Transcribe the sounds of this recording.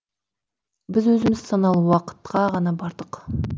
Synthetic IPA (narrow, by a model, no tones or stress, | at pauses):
bɪzwɵzɪmɪzsɑnɑlˠwɑqə̥t̪qɑʁɑnɑbɑɾd̪əq